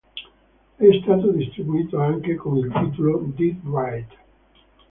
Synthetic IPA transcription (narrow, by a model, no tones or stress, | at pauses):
ɛst̪aːt̪od̪ist̪ɾibuiːt̪oaŋkekomilt̪iːt̪olod̪itwajt̪